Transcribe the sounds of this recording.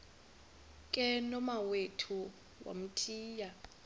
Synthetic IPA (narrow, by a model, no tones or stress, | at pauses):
kʼɛnɔmawetʰu | wʔa̰m̩tʰʼiːja